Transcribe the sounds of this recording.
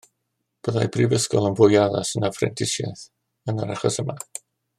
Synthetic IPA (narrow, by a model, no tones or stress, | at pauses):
b̥əðajbrivəskɔ̰lˠənvʊjaða̰sənafrɛ̰ntʰɪsja̰θ | ənəɾaχɔsəma